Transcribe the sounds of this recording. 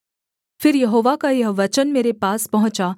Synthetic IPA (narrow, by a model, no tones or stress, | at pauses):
fɪɾjɐɦoːʋakajɐɦʋɐt͡ʃənmeːɾepaːspɐɦʊ̃t͡ʃa